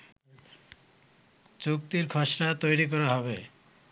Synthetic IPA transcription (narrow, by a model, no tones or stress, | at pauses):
t͡ɕuk̚t̪iɾkʰɔʃɾat̪ojɾik̬ɔɾaɦɔβe